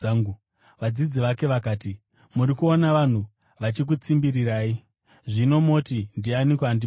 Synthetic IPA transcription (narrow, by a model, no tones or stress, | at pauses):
ɡu | ʋad͡zid͡ziʋake̞ʋakaːti | muɾikuo̞naʋan̤u | ʋat͡ʃik̬ut͡simbiriraːi | ʐino̞mo̞tindianikandi